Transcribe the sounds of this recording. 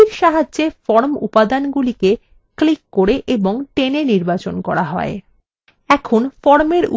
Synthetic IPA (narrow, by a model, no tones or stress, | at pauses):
iɾʃaɦaʑefɔɾmṵpad̪anɡulike | klikːoɾeʔeboŋʈeneniɾbat͡ɕonkɔɾaɦɔ̰e | ɛkʰonfɔɾmeɾṵ